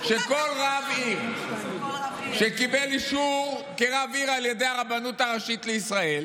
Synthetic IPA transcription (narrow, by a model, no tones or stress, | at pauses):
ʃe̞ko̞lʁaviʁ | ʃekibeliʃuʁkeʁaviʁaljede̞jaʁabanutaʁaʃit̪leisʁae̞l